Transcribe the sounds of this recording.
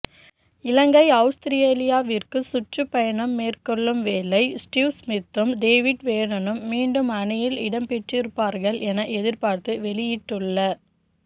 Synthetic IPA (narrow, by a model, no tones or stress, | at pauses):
ɪlɐŋɡɐɪɐʊst̪ɪɾɪjeːlɪjaːʋirkɯsʊʈrɯpːɐjɐɳɐmːeːrkɔɭːɯmʋeːlɐɪsʈiːʋsmɪt̪ːɯmɖeːʋɪʈʋeːnɐnɯmːiːɳɖɯmɐɳɪjɪlɪɽɐmpɛʈrɪɾɯpːaːɾɣɐɭʔɛnɐʔɛðɪɾpaːɾt̪ɯʋɛlɪjɪʈːɯɭːɐ